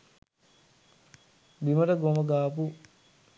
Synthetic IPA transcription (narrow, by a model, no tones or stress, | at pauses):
b̪iməʈəɡomɐɡaːpu